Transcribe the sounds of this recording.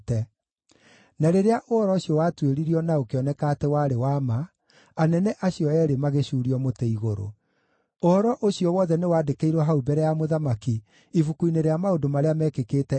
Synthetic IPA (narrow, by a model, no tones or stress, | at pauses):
tɛ | naɾeɾeaʔoɔɾɔɕjɔwatweɾiɾiɔnaokeɔnɛkatɛwaɾewama | anɛnɛʔaɕijɔɛːɾemaɣeɕuːɾiɔmoteiɣoɾo̰ | oɔɾɔʔoɕiɔwɔðɛnewaːdekeiɾwɔɦaubɛɾɛjamoðamaki | ifukuineɾeamaodomaɾeamɛːkekeːtɛ